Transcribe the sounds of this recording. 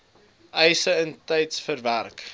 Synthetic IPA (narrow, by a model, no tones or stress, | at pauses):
ʔɛjsəəntɛjtsfərværk